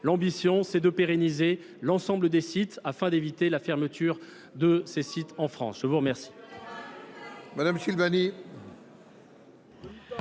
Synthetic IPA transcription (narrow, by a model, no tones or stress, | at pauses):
lɑ̃bisjɔ̃sɛd̪əpeʁenize | lɑ̃sɑ̃bləd̪esit̪afɛ̃d̪evit̪elafɛʁmət̪ʰyʁ | d̪əsesit̪ɑ̃fχɑ̰̃sʒ̥əvuʁəmɛʁsi̥ | mad̪amʃilbani